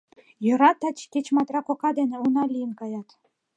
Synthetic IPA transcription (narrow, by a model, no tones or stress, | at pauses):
jɤ̆ɾɑt̪ːɑt͡ɕkʲet͡ɕmɑt̪rɑkokɑd̪enĕunɑlʲijənkɑjɑt̪